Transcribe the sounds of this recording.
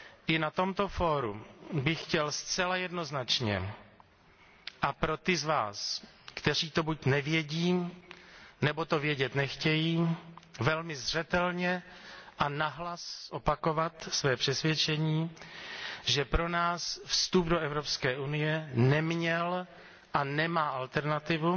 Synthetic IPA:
ʔɪnat̪o̞mt̪o̞fo̞ːɾṵbɪxxcɛlst͡sɛlajɛdno̞znat͡ʃɲɛ̰ | ʔapɾo̞t̪ɪzvaːs | kt̪ɛr̝iːt̪o̞bucnɛvjɛɟiː | nɛbo̞t̪o̞vjɛɟɛt̪nɛxcɛjiːvɛlmɪzr̝ɛt̪ɛlɲɛ | ʔanaɦlasʔopako̞vat̪svɛːpr̥ɛsvjɛt͡ʃɛɲiː | ʒɛpɾo̞naːsfst̪updoʔɛvɾopskɛːʔunɪjɛnɛmɲɛl | ʔanɛmaːʔalt̪ɛɾnat̪ɪvu

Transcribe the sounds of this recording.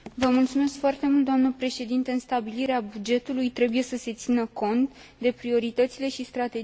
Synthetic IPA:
vəmult̪sume̞skfoart̪e̞mult̪d̪oamnəpɾe̞ʃe̞d̪int̪eɨnst̪abiliɾeabud͡ʒe̞t̪ulujt̪ɾe̞buje̞səse̞t̪sinəko̞nt̪d̪e̞pɾio̞ɾit̪ət̪sile̞ʃist̪ɾat̪e̞

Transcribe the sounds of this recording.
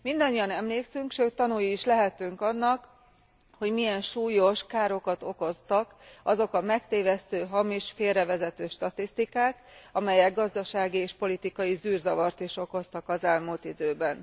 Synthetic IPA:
mind̪ɒɲːiɒnɛmleːksyŋkʃøːt̪ːɒnujiːʃlɛɦɛt̪yŋkɒnːɒk | ho̞ɟmijɛnʃuːjo̞ʃkaːɾo̞kɒt̪o̞ko̞st̪ɒkɒzo̞kɒmɛkt̪eːvɛst̪øːɦɒmiʃfeːrɛvɛzɛt̪øːʃt̪ɒt̪ist̪ikaːkɒmɛjɛɡ̚ɡɒzd̪ɒʃaːɡieːʃpo̞lit̪ikɒjisyːrzɒvɒrt̪iʃo̞ko̞st̪ɒkɒzɛlmult̪id̪øːbɛn

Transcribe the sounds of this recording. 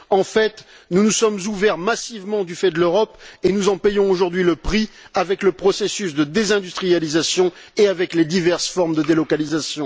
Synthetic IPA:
ɑ̃fɛt̪ | nunusɔmzuvɛʁmasivmɑ̃d̪yfɛd̪əløʁɔpenuzɑ̃pɛjɔ̃oʒuʁd̪ɥiləpχi | avɛkləpχɔsesysd̪əd̪ezɛ̃d̪yst̪χijalizasjɔ̃ | eavɛkled̪ivɛʁsfɔʁmd̪əd̪elɔkalizasjɔ̃

